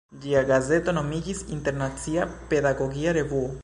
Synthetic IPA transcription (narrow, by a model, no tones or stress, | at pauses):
d͡ʒiaɡazet̪onomiɡisḭnt̪eɾnat̪t͡siapeðaɡoɣiaɾevu